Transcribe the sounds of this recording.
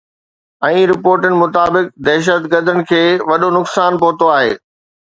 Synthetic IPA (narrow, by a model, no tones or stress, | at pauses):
ɛ̃ːɾɪpoːɾʈənɪ̆mʊt̪aːbɪk̚d̪ɛɦʃ̬ət̪ɡəɾd̪ʱənɪ̆kʰeːʋɐɗonʊksaːnpɐɦʊt̪oaːɦḛː